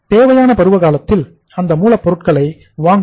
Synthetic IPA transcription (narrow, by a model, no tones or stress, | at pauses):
t̪eːʋɐjaːnɐpɐɾɯʋɐkaːlɐt̪ːɪl | ɐnd̪ɐmuːlɐpːɔɾɯʈ̚kɐɭɐɪ | ʋaːŋ